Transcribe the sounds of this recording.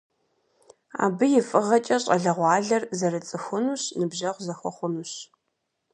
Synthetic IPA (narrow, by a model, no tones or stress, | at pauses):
a̰ːbɨjɪfʼɨʁɐt͡ʃʼɐɕʼɐ̰ɮɐʁʷɑːɮɐrzɐrɨt͡sʼɨxʷʊnuɕnɨbʒɐʁʷzɐxʷɔ̰χʷʊnuɕ